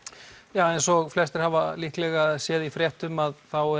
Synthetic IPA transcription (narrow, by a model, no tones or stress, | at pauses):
jaːwɛjnsɔɣflɛst̪ɪɾ̥havalihklɛɣasjɛːðifɾjɛht̪ʏmaðθawɛ